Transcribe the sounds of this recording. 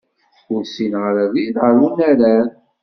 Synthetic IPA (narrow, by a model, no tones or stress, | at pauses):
fuɾsinʁəɾðiðəɾunæɾæɾ